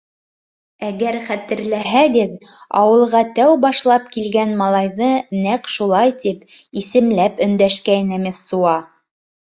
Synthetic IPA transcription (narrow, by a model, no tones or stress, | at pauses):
æɡæɾχæt̪ɘ̆ɾlæɦæɡɘð | ɑ̰wɤ̆lˠʁɑt̪æwbɑʃlˠɑp̚kilɡænmɑlˠɑjðɤnæqʃulˠɑjt̪ip | isɘ̆mlæpɵ̆nd̪æʃkæjnæmɘsuɑ